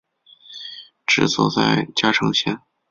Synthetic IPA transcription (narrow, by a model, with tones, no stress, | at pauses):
ʈ͡ʂɻ̩˧˨˩sɔ̰˨˩t͡sa˥˧˩ɪt͡ɕja˥ʈ͡ʂʰɤ˧˥ŋɕjɛ˥n